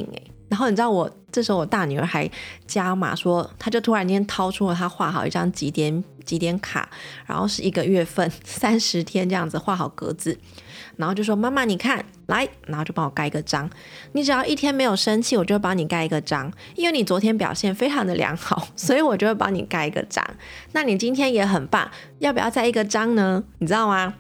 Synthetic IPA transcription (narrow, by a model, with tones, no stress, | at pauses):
ḭ˨˩ŋḛ˧˩na˧˥nxo˥˩ʊni˨˩ʈ͡ʂ̩̪˥˩wɔ˨˩ʈ͡ʂɤ˥˩ʂɻ̩˧˥xo˧ʊwɔ˨˩t̪a˥˩ny˨˩ə̰˞˧˥xa˧˥ɪt͡ɕja˥ma̰˨˩ʂwɔ˥t̪ʰa˥t͡ɕjo˥˩ʊt̪ʰu˥ɻa˧˥nt͡ɕjɛ˥nt̪ʰɑ˥ʊʈ͡ʂʰu˥lə˨t̪ʰa˥xwa˥˩xɑ˨˩ʊḭ˥˩ʈ͡ʂɑ˥ŋt͡ɕi˧˥t̪jɛ˧˥nt͡ɕi˧˥t̪jɛ˧˥nkʰa̰˨˩˦ɻa̰˧˥nxo˥˧ʊʂɻ̩˥˩i˧˥ɡə˧ɥɛ˥˧fə˥˩nsa˥nʂɻ̩˧˥t̪ʰjɛ˥nʈ͡ʂɤ˥˧jɑ˥˩ŋd͡z̩˨˩xwa˥˩xɑ˨˩ʊkɤ̰˧˥t͡sɹ̩˨˩˦ | na˧˥nxo˥˧t͡ɕjo˥˩˧wɔ˥ma˥˧nma˥˩ni˨˩kʰa˥˩n | la˧˥ɪnna˨˧˥xo˥˧t͡ɕo˥˩pwɔ˨˩ka˥˩ɪi˧˥ɡə˨˩ʈ͡ʂɑ˥ŋ | ni˧˥ʈ͡ʂɻ̩˨˩j̪ɑ˥˧ʊʔi˥˩t̪ʰjɛ˥nme˧˥ɪjo˨˩ʊʂə˥nt͡ɕʰi˥˩wɔ˨t͡ɕo˥˧xpɑ˧˥ŋni˨˩ka˥ɪi˧˥ɡə˨ʈ͡ʂɑ˥ŋ | i˥nwe˥˩ɪni˨˩t͡swɔ˧˥t̪ʰjɛ˥np̬jɑ̰˨˩ʊɕjɛ˥˩nfe˥ɪʈ͡ʂʰɑ˧˥ŋd̪ə˧ljɑ̰˧˥ŋxɑ˨˩˦ʊswɔ˧˥i˨˧˦wɔ˨˩t͡ɕjo˥˧ʊwe˥˩pɑ̰˧˥ŋnḭ˨˩ka˥ɪi˧ɡə̰˧˨ʈ͡ʂɑ̰˥ŋna˥˩ni˨˩t͡ɕi˥nt̪ʰjɛ˥njɛ˧˥xə˨˩npa̰˥˩n | jɑ˥˩pu˨˩jɑ̰˥˧t͡sa˥˩ɪi˧˥ɡə˨ʈ͡ʂɑ˥ŋnə˧ni˨˩ʈ͡ʂɻ̩˥t̪ɑ˥˩ʊma˨˩